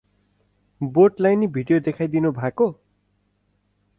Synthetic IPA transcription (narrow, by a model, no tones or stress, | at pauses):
boʈlajnibʱiɖijod̪ekʰajd̪inubʱaeko